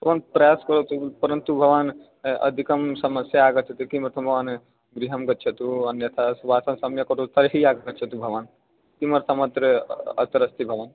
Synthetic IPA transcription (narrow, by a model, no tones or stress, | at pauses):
bʱɐʋaːnpɾɐjaːskɐɾot̪upɐɾənt̪ubʱɐʋaːn | ɐ̰d̪ʱikɐmsɐmɐsjaaːɡɐtt͡ʃʰɐt̪ikimɐɾt̪ʰɐmbʱɐʋaːn | ɡɾiɦɐmɡɐt̪̚ːt͡ʃʰɐt̪uɐnjɐt̪ʰasʋaːsɐmsɐmjɐkɐʈʰut̪ɐɾeɦiaːɡɐɡɐt̪t͡ʃʰɐt̪ubʱɐʋaːn | kimɐɾt̪ʰɐmɐt̪ɾəɐ̰t̪ɐɾɐst̪ʰibʱɐʋaːn